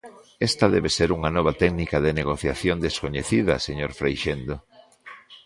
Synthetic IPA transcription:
est̪ɐðɛβeseɾuŋɐnɔβ̞ɐt̪ɛknikaðeneɣ̞oθjaθjond̪eskoɲeθiðɐ̰seɲoɾfɾejʃend̪o

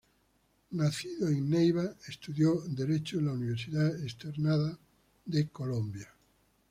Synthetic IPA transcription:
naθiðoeŋnejβaest̪uðjod̪eɾet͡ʃolauniβ̞eɾsiðaest̪eɾnaða | ðekolõmbja

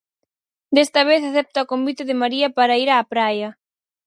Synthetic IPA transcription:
d̪est̪ɐβ̞eθaθɛp̚t̪ɐokombit̪eðɪmaɾiɐpaɾɐiɾaːpɾajɐ

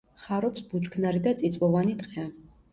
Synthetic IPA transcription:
χaɾɔpsbut͡ʃkʰnaɾid̪at̪sʼit̪sʼwɔvanit̪ʼqʼɛ

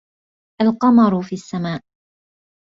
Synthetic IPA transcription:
ʔalqɑmɑɾˤʊfiːsːamaːʔ

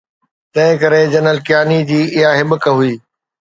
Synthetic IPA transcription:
t̪ɐ̃ɦɪ̃kɐɾed͡ʑɐnəlkjaːnid͡ʑiːɪɦaɦɪɓəkəɦʊiː

